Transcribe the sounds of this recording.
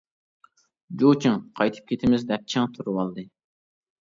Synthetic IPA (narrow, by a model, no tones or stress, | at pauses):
d͡ʒot͡ʃʰɪŋqʰɑjt̪ʰɨ̥p̚kʲʰet̪ʰɪmɪzd̪ɛp̚t͡ʃʰɪŋt̪ʰuɾuwɑlˠd̪ɨ